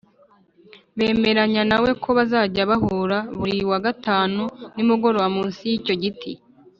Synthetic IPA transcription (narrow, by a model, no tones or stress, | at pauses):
βe̞ːme̞ɾaɲanawe̞kʰo̞βazaːɟaβaɦuːɾaβuɾiwaɡataːnunimuɡo̞ɾowamuːnsijico̞ɟitʰi